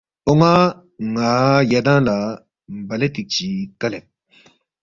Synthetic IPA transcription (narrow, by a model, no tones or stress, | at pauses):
oŋa | ŋaːjadãla | m̩baletit͡ʃikalɛ